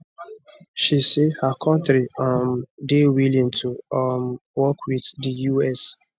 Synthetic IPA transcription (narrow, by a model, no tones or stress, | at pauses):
ʃisehakʰɔ̃ntɾiamdewilĩŋtʰumwɔkʰwiðdəjuɛs